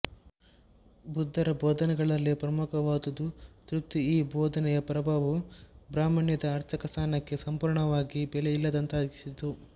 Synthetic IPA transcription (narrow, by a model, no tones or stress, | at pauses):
bud̪ʱːɐɾɐbɔːd̪ʱɐnɛɡɐɭɐlːipɾɐmukɐʋaːd̪ɐd̪ut̪ɾuk̚t̪iiːbɔːd̪ʱɐnɛjɐpɐɾɐbʱaːʋubɾaːmɐɳjɐd̪ɐːɾt͡ʃɐkɐst̪ʰaːnɐkːe̞sɐmpuːɾɳɐʋaːɡibɛlejilːɐd̪ɐnt̪ɐɐd̪iki̥sid̪u